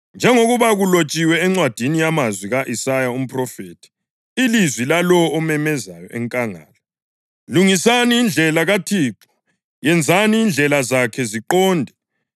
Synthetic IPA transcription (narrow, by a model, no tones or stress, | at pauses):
nd͡ʒʱɛŋoɣuβaɣulot͡ʃʼiwɛɛŋ͡ǀwad̥ʱinijamazwiɣaʔisajaum̩pʰʼrɔfeːtʰi̥ | ilizwilalɔɔmɛmɛzajɔʔɛŋkʼaŋa̰ːlɔ | luŋisaniːnd͡ɮʱɛlaɣatʰiːǁɔ̥ | jɛnd͡zʱaniːnd͡ɮʱɛlazakʰɛziǃɔːndʱɛ